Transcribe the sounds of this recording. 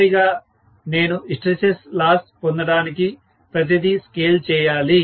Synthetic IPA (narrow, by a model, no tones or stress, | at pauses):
ɾiɡaː | ne̞ːnuisʈɾeseslaːspond̪ɐɽaːniki | pɾɐt̪̬id̪iskeːlt͡ʃɛːjaːli